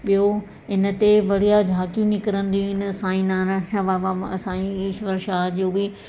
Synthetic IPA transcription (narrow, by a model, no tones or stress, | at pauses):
ɓijo | ɪnə̆t̪eʋɐɽijad͡ʑʱaːt̪ijũnɪkəɾə̃nd̪iũɦɪn̆ɐsãːĩnaːnʋaʋaɐsãːĩiːʃʋɐɾʃaːd͡ʑoːbɪ